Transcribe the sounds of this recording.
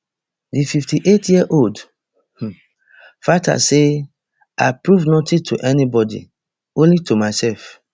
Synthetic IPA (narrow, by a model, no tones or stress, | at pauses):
dififtiʔetjiəʔold | h | fata̰se | apɹuvnotĩtʰṵʔɛnibɔdḭ | õnlitumaɪsɛlf